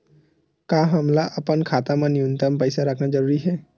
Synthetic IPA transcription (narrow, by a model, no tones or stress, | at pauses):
kaːɦəmlaʔəpənkʰaːt̪amãnijunt̪əmpəɪsaɾəkʰnad͡ʒəɾuːɾiɦɛː